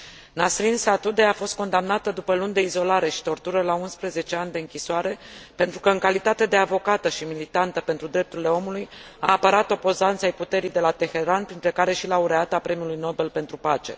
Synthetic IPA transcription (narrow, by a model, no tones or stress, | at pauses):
nasɾinsat̪ud̪e̞afo̞st̪̚ko̞nd̪amnat̪əd̪upəlund̪eizo̞laɾe̞ʃi̥t̪o̞rt̪uɾəlaunspɾəze̞t͡ʃe̞anʲd̪e̞ɨŋkʲisoaɾe̞pe̞nt̪ɾukəɨŋkalit̪at̪e̞d̪e̞avo̞kat̪əʃimilit̪ant̪əpe̞nt̪ɾud̪ɾe̞p̚t̪uɾile̞o̞muluj | aːpəɾat̪o̞po̞zant̪sajput̪e̞ɾijd̪e̞lat̪e̞xe̞ɾanpɾint̪ɾe̞kaɾe̞ʃilauɾeat̪apɾe̞miulujno̞be̞lpe̞nt̪ɾupat͡ʃe̞̰